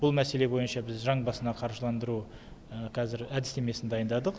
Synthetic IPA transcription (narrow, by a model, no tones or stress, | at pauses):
b̥ʊlˠmæse̞le̞bo̞jənʃɑbɪzʒɑɴbɑsənɑqʰɑɾʒəlˠɑnd̪əɾu | qʰɑzɪɾæd̪ɪ̥seme̞sɪnd̪ɑjənd̪ɑd̪əq